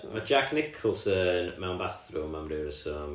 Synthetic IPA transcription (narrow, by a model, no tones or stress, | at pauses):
mad͡ʒakʰnɪkʰɔlˠsənmɛwnbaθrʊmamrɪwɾəsɔ